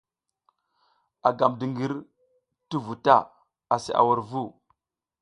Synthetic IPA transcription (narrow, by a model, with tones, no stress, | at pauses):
a˨ɡa˨mdi˨ŋɡi˦ɾ | ti˦vu˨ta˦˨ | a˨sḭ˨ʔa̰˨wa˨ɾvu˦˨